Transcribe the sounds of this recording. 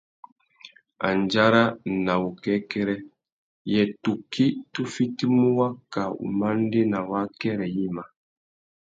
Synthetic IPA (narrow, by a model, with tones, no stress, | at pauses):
a̰˨n˨d͡ʒa˦ɾa˦na˨u˨kɛ˦kɛ˦ɾɛ˦ | jɛ˨tu˨ki˦tu˦fi˦ti˦mu˦wa˦ka˨ṵ˨ma˦n˦de˦na˨wa˦kɛ˦ɾɛ˨ji˦ma˨